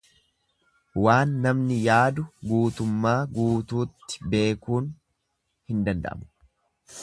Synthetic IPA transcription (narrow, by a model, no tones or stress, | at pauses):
waːnːɐmnɪjaːd̪ʊɡuːt̪ʊmːaːɡuːt̪uːt̪ːɪ̥be̞ːkuːn | hɪnd̪ɐnd̪ɐ̰ʔɐ̰mʊ̥